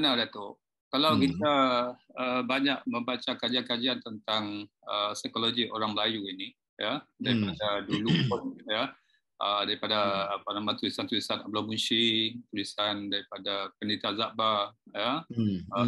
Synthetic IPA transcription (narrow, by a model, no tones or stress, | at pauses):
ənadat̪oʔ | kalawkit̪aəbaɲaʔ̚mə̃mbat͡ʃakad͡ʒiankad͡ʒiant̪ənt̪aŋ | əsajkoloɡioɾaŋməlajuini | jadaɾipadaduluoja | ʔədaɾipadaːpanamãt̪ulisant̪ulisanablamunsit̪ulisandaɾipadapəndit̪azaʔbajaə